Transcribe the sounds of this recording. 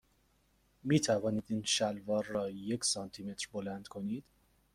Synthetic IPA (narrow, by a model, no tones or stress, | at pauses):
miːt̪ʰævɒːniːd̪iːnʃælvɒːɾːɒːje̞cʰsɒːnt̪ʰiːme̞t̪ʰɾbolænd̪̥kʰo̞niːd̪̥